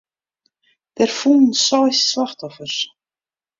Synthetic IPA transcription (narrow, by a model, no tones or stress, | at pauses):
t̪ɛɾ̥fuːnsassvaht̪awfœs